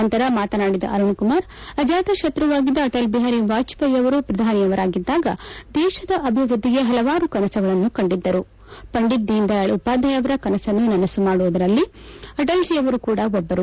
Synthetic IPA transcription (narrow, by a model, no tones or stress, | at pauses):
ɐnt̪ɐɾɐmaːt̪ɐnaːɽid̪ɐ̰ʔɐɾuɳkumaːɾ | ɐd͡ʒaːt̪ɐʃɐt̪ɾɐʋaːɡid̪ːɐːʈɐlbiɦaːɾiʋaːt͡ʃpɐjɐʋɐɾupɾɐd̪ʱaːnijɐʋɐɾaːɡid̪ːaːɡɐd̪ɛːʃɐd̪ɐʔɐbʱiʋɾud̪ʱːiɡe̞ɦɐlɐʋaːɾukɐnɐsɐɡɐɭɐnːukɐɳɖid̪ːɐɾu | pɐɳɖid̪ːiind̪ɐɭupaːd̪ʱɐjɐʋɐɾɐkɐnɐsɐnːunɐnɐsumaːɽuʋud̪ɐɾɐlːiɐʈɐlsijɐʋɐɾukuːɽɐɔbːɐɾu